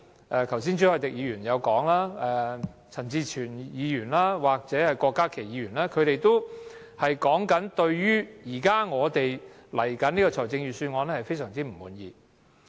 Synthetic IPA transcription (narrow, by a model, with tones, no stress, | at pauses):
ʔɛː˧t̪ʰɐ˨˩ws̬iː˥nt͡ʃʰyː˨˥hɔ˧jt̪ɪ˨k̚jiː˨˧jyː˨˩njɐ˨˧wkɔː˨˥ŋlaː˥ɛː˧ | t͡sʰɐ˨˩nt͡siː˧t͡ʃʰyː˨˩njiː˨˧jyː˨˩nlaː˥waː˨k̚t͡sɛː˨˥hɐ˨jkɔː˧kːaː˥kʰe˨˩jiː˨˧ɥyː˨˩nlaː˥kʰɵ˨˧ɥɾe˨jt̪o˥w | hɐ˨jkɔː˨˥ŋkɐ˨˥nt̪ɵ˧ɥjyː˥jiː˨˩kaː˥ŋɔː˨˧t̪e˨jlɐ˨˩jkɐ˨˥niː˥kɔː˧t͡sʰɔː˨˩t͡sɪ˧ŋjyː˨syː˧nŋɔː˨˧nlɛ˥hɐ˨jfe˥jsœː˨˩ŋt͡siː˥m̩˨˩muː˨˥njḭː˧